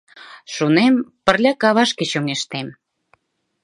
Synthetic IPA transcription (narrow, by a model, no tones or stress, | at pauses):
ʃunempə̆rlʲɑkɑβɑʃket͡ɕoŋeʃt̪em